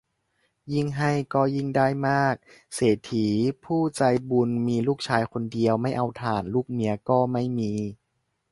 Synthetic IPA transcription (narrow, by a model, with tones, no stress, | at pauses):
ji˥˩ŋɦa˥˩jkɔː˥˩ji˥˩ŋdaː˥˩jmaː˥˩k̚ | seː˨˩t̪ʰːiː˩˦pʰuː˥˩t͡ɕa˧jbu˧nmiː˧luː˥˩k̚t͡ɕʰaː˧jko˧ndi˧əwma˥˩jʔa˧wt̪ʰaː˨˩nluː˥˩k̚mi˧ɐkɔː˥˩ma˥˩jmiː˧